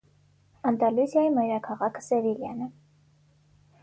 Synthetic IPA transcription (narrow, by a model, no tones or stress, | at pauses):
ɑnd̪ɑluzjɑjimɑjɾɑkʰɑʁɑkʰsɛviljɑnə